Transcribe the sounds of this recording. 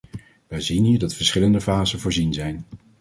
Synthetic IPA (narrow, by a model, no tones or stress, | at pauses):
ʋɛjzinɦiːɹdɑtfəɹsχɪləndəvaːzənvʊːɹzinzɛjn